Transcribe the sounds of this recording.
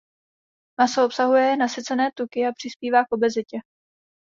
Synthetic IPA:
masoo̞psaɦujɛnasɪt͡sɛnɛːt̪ukɪapr̥ɪspiːvaːkʔo̞bɛzɪcɛ

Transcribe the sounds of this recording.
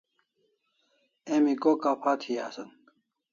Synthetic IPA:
emikokapʰaːt̪ʰiaːsɐn

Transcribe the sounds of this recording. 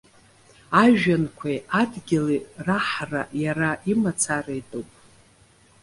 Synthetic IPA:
aʒᶣankʷʰaadɡʲɪliraħra̰jaɾaimat͡sʰaraidowpʼ

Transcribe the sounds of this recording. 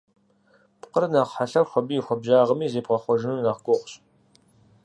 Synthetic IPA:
pqərnaːqħaɬɐrxʷɐbiːxʷɔbʑaːʁəmiːzeːp̚qɐχʷɔʒɪnunaːʁɡʷʊʁʷɕʼ

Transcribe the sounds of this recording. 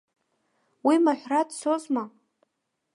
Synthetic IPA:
wimaħʷradsozma

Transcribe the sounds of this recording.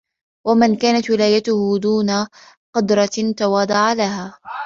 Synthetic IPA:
wamɪnkaːnat̪wɪlaːjat̪ʊhʊd̪uːna | qʊd̪ɾˤɑt̪awɑːd̪ˤɑʕalaɦaː

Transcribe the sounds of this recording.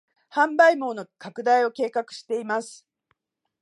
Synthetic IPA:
hãmbaimo̞ːnokakɯ̟d̪aio̞ke̞ːkakɯ̟̥ɕi̥t̪e̞imasɨ̥

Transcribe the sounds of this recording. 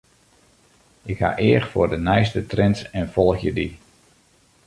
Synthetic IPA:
ʔɪkha̰ʔɪəxfʊːrdənɛjstətrɛntɛnfɔlˠxjədi

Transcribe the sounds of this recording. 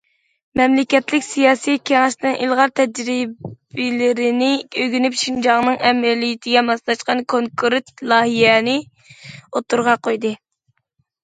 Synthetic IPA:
mɛmlɪkʲɛt̪lɪkʲsijɑːsijkʲʰeŋɑʃnɨŋʔilˠʁɑɾt̪ʰɛd͡ʒɾibɪlɪɾɪnɪøɡʲynypʃind͡ʒɑʁnɨŋɛmɛlijɪt̪ʰɪɡʲɛmɑslˠɑʃqɑnkʰoŋkʰɾt̪lˠɑːɦijɛnɪ | ot̪uɾʁɑqʰojd̪ɨ

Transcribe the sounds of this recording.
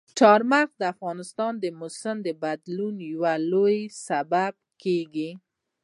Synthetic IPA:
ʈɑɾmaxd̪əafɣɑnɪst̪ɑnd̪əmʊsəmd̪əbad̪lunjawalojsabab̚keɡi

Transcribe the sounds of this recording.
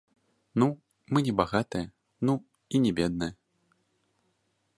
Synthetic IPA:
nu | mɨnʲɛbaɣat̪ɐjɐ | nu | inʲɛbʲɛd̪̚nɨjɐ

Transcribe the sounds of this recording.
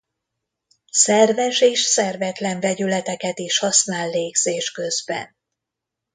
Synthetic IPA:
sɛrvɛʃeːʃsɛrvɛt̪lɛɱvɛɟylɛt̪ɛkɛt̪iʃhɒsnaːlːeːɡz̥eːʃkø̞zbɛ̰n

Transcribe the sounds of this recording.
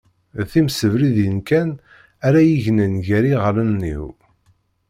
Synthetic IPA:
θimsəvɾiðjənkæn | æɾæjiʝnənʝæɾiʁlənːḭw

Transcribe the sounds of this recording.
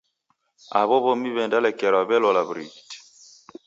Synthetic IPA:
a̰βɔβɔmiβɛndalɛkɛɾaβɛlɔlaβɾḭti̥

